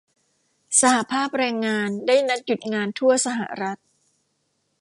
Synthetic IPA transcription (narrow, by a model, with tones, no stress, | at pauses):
sa˧ha˨˩pʰaː˥˩p̚ɾɛː˧ŋːaː˧ndaː˥˩jna˦˥t̪̚ju˨˩t̪̚ŋaː˧nt̪ʰu˥˩ɐsa˧ɦa̰˨˩ɾa˦˥t̪̚